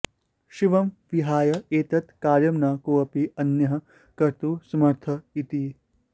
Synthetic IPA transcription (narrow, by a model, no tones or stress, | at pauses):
ʃiʋɐmʋiɦaːjɐeːt̪ɐt̪kaːɾjɐmnaːkoːɐpiɐnjɐɦɐ | kɐɾt̪usɐmɐɾt̪ʰɐit̪i